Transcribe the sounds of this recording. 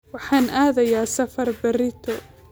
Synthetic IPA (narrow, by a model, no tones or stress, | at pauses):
wɑħaːnʔaːðɐjaːsɐfɐrbɐrɪt̪ʰɔ